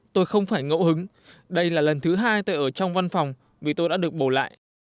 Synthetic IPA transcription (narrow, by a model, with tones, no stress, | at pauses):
t̪o˧jxə˧wŋ͡mfaː˧˩jŋo̰˧˥hɨ˨˦ŋ | ɗə˧jlaː˨˩lə˨˩nt̪ʰɨ˨˦ɦaː˧jt̪o˧jʔəː˧˩t͡ɕɔ˧wŋ͡mva˧nfa˨˩wŋ͡m | vi˨˩t̪o˧jɗa̰ː˧˥ɗɨ˨˩ək̚ɓo˧˩la̰ː˧˨ʔ